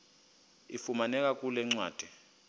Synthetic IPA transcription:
ifumanɛk̬ʼak̬ʼulɛŋ͡ǀwa̰ːd̥ʱɛ

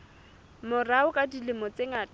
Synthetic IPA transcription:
mʊraʊkʼadilɪmɔt͡sʼeŋat

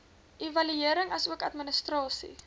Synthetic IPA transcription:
ʔivɐlyiəɾəŋɐsuəkɐtmənəstrɑːsḭ

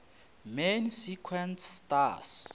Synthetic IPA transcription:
mensikʰwɛntʰːtas

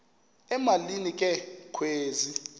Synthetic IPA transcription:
ɛmalinikʼɛkʰweːzi

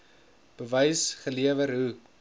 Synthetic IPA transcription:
b̥əvɐjsχəliəvəɾɦu

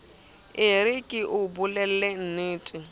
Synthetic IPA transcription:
ɪɾɪkʼɪʔʊbʊlɛl̩lɛn̩nɪːtʼɪ

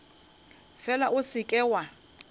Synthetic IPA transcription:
fɛlaʔʊsɪkʼɛːwa

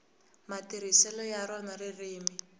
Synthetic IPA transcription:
matiɾisɛlɔjaɾɔnaririːmi

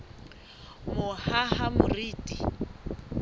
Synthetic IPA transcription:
mʊhahamʊriːtʼi

